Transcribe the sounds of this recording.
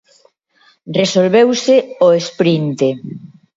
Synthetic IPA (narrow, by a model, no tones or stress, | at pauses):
resolβewsɪoespɾint̪e